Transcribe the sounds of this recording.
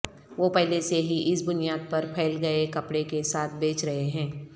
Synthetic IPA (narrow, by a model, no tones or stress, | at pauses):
ʋoːpɛɦleseɦiʔɪsbʊnijaːd̪̚pɐɾpʰɛːlɡɐekɐpɽekesaːt̪̚ʰbeːt͡ʃɾɐɦeɦɛ̃ː